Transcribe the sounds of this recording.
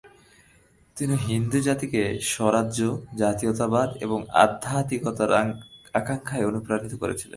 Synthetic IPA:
t̪iniɦind̪ud͡ʑat̪ikeʃɔɾadod͡ʑat̪iot̪abad̪ḛboŋa̰d̪ʱːat̪ikɔt̪aɾakaŋkʰaeonupɾanit̪oko̰ɾḛt͡ɕʰilḛnn

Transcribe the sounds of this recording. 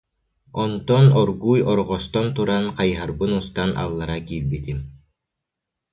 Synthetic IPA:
ɔnt̪ɔnɔɾɣujɔɾʁɔst̪ɔnt̪uɾanqɑjɦaɾbɯnust̪anʔa̰lˠːaɾakiɾbit̪im

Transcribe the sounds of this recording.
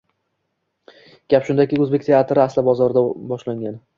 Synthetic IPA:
ɡ̥ʲapʃʊnd̪akʲɪɵzbek̚ʲt̪ʰe̞at̪ʰɾɪaslɪbɒzɒɾɪd̪abɒʃlaŋʲan

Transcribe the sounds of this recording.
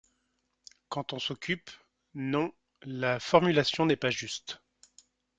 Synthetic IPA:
kɑ̃t̪ɔ̃sɔkʲʰyp | nɔ̃ | lafɔʁmylasjɔ̃nɛpaʒyst̪

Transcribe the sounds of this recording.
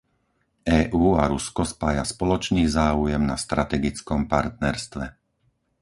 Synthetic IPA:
ʔɛːʔuːaɾuskɔspaːjaspɔlɔt͡ʃniːzaːujɛmna̰st̪ɾat̪ɛɡit͡skɔmpaɾt̪̚nɛɾst̪ʋɛ

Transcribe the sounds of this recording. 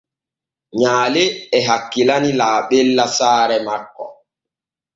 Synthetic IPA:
ɲaːleɛɦakːilanilaːɓɛlːasaːɾɛmakːɔ̰

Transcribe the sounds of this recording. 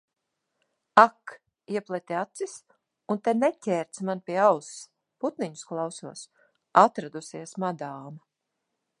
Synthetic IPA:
ak | iɛplˠɛt̪ʲiat̪sis | unt̪ɛnɛcʲɛːɾt̪smanpʲiɛaws | put̪niɲu̥sklˠawsuɔs | at̪ɾad̪usiɛsmad̪aːma

